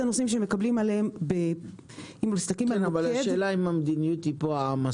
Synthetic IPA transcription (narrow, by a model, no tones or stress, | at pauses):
anosimʃ̬eme̞kablimaleembe | imloist̪akimmenvaleʃdeːlaimamed̪inijut̪ipoaama